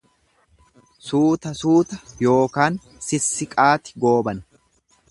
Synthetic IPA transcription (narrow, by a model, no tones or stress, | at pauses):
suːt̪ɐsuːt̪ɐjo̞ːkaːn | sɪsːɪkʼaːt̪ɪ̥ɡo̞ːbɐn